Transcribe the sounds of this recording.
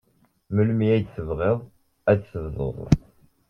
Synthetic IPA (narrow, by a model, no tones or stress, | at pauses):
məlmiæjt͡sθəvʁeðˤ | æt͡ssəvzˤə̰ðˤ